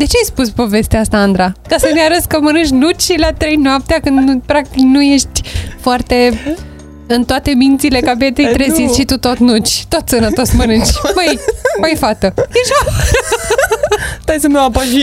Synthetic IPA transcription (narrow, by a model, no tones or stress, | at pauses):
d̪e̞t͡ʃeajspuspo̞ve̞st̪east̪aand̪ɾakasəneaɾəskəmənɨʃ̬ʲnut͡ʃlat̪ɾejnoap̚t̪eakɨnd̪pɾak̚t̪iknuje̞ʃt̪ʲfoart̪e̞ | ɨnt̪oat̪e̞mint̪sile̞kabe̞t̪ejt̪ɾezinsʲʃit̪ut̪ot̪nut͡ʃʲt̪o̞t̪sənət̪o̞smənɨnt͡ʃʲmajpajfat̪əjeʃa | t̪ajsəmeapaʃi